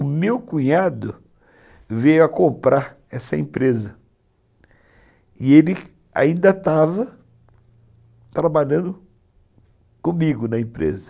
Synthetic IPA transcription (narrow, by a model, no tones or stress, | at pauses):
ʊmewkũɲad̪ʊ | vẽjʊɐkõmpɾaɾ | ɛsɐḛ̃pɾezɐ | ɪelɪ | a̰ĩnd̪ɐt̪avɐ | t̪ɾabaʎɐ̃nd̪ʊ | kõmiɡʊnɐẽpɾḛzɐ̥